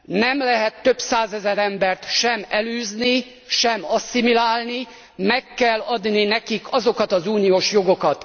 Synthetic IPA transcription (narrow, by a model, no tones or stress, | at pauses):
nɛmlɛɦɛt̪ːøbsaːzɛzɛɾɛmbɛrt̪ʃɛmɛlyːzni | ʃɛmɒsːimilaːlni | mɛkːɛlːɒd̪ninɛkikɒzo̞kɒt̪ɒzuːnijoːʃjo̞ɡo̞kɒt̪